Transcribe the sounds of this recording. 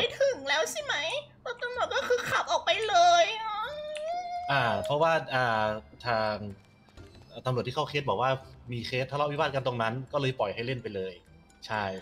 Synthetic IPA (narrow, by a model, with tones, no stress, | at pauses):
a˥˩jt̪ʰɯ˨˩ŋlɛː˦˥wsi˧˥˩ma˦˥j | bɔ˧˨˩t̪a˧mnlu˨˩ət̪̚kɔː˥˩kʰɯː˧kʰa˨˩p̚ʔɔː˨˩k̚pa˧jlɤː˧jnɔ˦˥ | ʔaː˨˧˩pʰɔ˦˥waː˥˩ʔaː˨˧˩t̪ʰaː˧ŋ | ʔːt̪a˧mɾu˨˩t̪ʰiː˥˩a˥˩kʰe˦˥bɔː˨˩waː˥˩miː˧xʰeː˦˥t̪ʰːa˥˩lʔwi˦˥baː˥˩ka˧nt̪o˧ŋna˦˥nkɔː˥˩lɤː˧jpɔ˨˩jɦa˥˩jle˥˩npa˧jlɤː˧j | t͡ɕʰa˥˩j